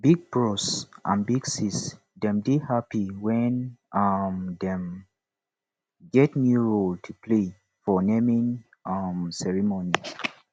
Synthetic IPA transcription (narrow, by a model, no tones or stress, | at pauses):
biɡ̚pɹɔsʔã̰nbiɡsis | dɛ̃mdihapiwɛnʌmdɛ̃m | ɡɛtnjuɹoltʰupʰle | fɔnemĩn | ʌmsɛɹimoni